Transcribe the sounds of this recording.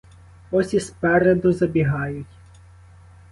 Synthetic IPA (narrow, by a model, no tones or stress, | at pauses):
ɔsʲispɛɾed̪ʊzɐbʲiɦɑjʊtʲ